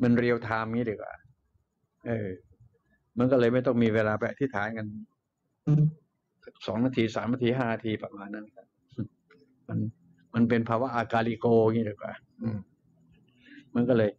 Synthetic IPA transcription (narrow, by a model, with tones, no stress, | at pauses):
ma˧nɾi˧əwt̪ʰaː˧m˧ŋiː˦˥diː˨˩kwa̰ː˨˩ | ʔɤː˧˩ | ma˧nkɔ˥˩lɤː˧jma˥˩jt̪ɔ˥˩ŋmiː˧weː˧laː˧pa˧jʔa˧t̪ʰi˦˥t̪ʰːaː˩˦nka˧n˧˥ | ʔɯː˧˩ | a˦˥˩sɔː˩˦ŋnaː˧˥t̪ʰiː˧saː˨˩˦mːa˧˩t̪ʰiː˧ɦaː˥˩naː˧t̪ʰiː˧pa˧˩maː˧nːa˦˥n˧kʰa˦˥˩p̚ | ma˧n | ma˧np̬e˧npʰaː˧wa˦˥ʔaː˧kaː˧li˧koː˧ŋiː˦˥˩diː˧˩kwa̰ː˨˩ | ʔɯː˧˩m | ma˧˦nkɔː˥˩lɤː˧j